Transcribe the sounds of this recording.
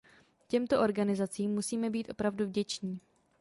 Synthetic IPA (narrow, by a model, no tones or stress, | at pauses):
cɛmt̪o̞ʔo̞ɾɡanɪzat͡siːmːusiːmɛbiːt̪ʔo̞pɾavduvɟɛt͡ʃɲiː